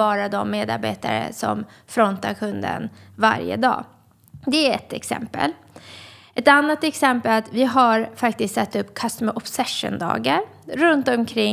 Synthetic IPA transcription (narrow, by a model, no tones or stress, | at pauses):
ɑːɾad̪ɔmːeːd̪a̰ɾbeːt̪a̰ɾə̰sɔ̰mfɾɔnt̪aɾkʰɵnd̪ə̰nva̰ɾjə̰d̪ɑ̰ː | d̪ɛæɾɛt̪ɛksɛ̰mpə̰l | ʔɛt̪anːat̪ɛksɛmpəlat̪vɪɦaɾfakt̪ɪst̪sɛt̪ːɵpːkʰast̪məʔɔpsɛʂə̰nd̪ɑ̰ːɡaɾ | ɾɵnt̪ɔmkʰɾɪŋ